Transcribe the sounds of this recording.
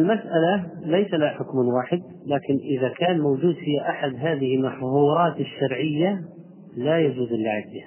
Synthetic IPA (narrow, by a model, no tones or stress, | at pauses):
ʔɪlmasʔalalejsalaħʊkmwaːħɪd̪̚ | laːkɪnʔɪðakaːnmowd͡ʒuːd̪fɪjːaʔaħad̪ɦaːðɪhɪlmaħðuːɾˤɑːt̪ɪʃːɑɾʕɪjːa | lajad͡ʒuːzɪlːaʕɪbbiha